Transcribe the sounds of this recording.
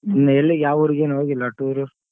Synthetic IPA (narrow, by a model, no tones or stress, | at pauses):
inːɐelːijaːʋuɾiɡeːnɦoːɡilːɐʈuɾu